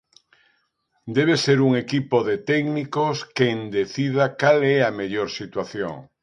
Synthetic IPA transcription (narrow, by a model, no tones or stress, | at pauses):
d̪ɛβ̞eseɾuŋekipoðet̪ɛɡnikoskend̪eθið̞akalɛameʎoɾsit̪waθjo̰ŋ